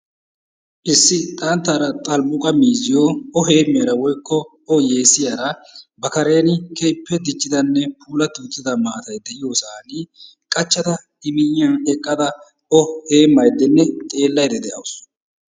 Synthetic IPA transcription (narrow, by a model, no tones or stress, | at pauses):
ʔɪsːɪt̪ʼɐnt̪ːɐɾɐt̪ʼɐlbʊkʼɐmiːzɪjoɔɦe̞ːmːeːɾɐwɔjkːɔ | ɔje̞ːsɪjaːɾɐbɐkɐɾe̞ːnɪkʰejpːɛd̪ɪt͡ʃːɪd̪ɐnːɛpʰuːlɐt̪ːɪːt͡sːɪd̪ɐmaːt̪ɐjd̪ɛʔɪjoːsaːni | kʼɐt͡ʃːɐt̪ɐ | ɪmɪjɪjɐnɛkʼːɐd̪ɐ | ɔhe̞ːmːɐjd̪ːɛnːɛt̪ʼe̞ːlːɐjd̪ɛd̪ɛʔɐ̰wʊs